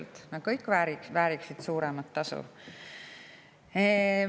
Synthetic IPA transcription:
lt̪nɑkɤjkːˑvæːɾivæːɾiksid̪̥suːɾɛmɑt̪ːɑsṵ | e

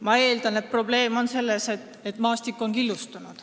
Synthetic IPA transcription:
mɑe̞ːld̪ɑnet̪̚pro̞ble̞ːmo̞nse̞lːe̞se̞t̪ːˑet̪ːˑmɑːst̪ikːˑo̞nkilːust̪unud̪̥

